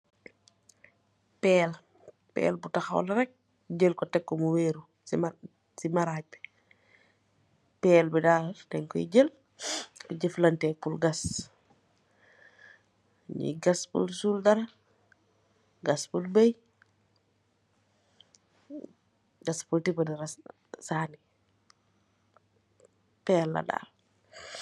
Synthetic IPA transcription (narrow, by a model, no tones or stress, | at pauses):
pɛːl | pɛ̰ːlbutɐxa̰wlɐɾɛk̚ | ɟəlkɔtɛkːɔmuweːɾu | simaɾaːb | pɛːlbidaːtɛŋkɔḭɟəl | kɔɟəflɐntɛːpulɡɐs | ɲḭɡaspṵlsuldɐɾɐ | ɡaspulbej | ɡaspultipɐdiɾas | saːni | pɛːlːa̰da̰ːl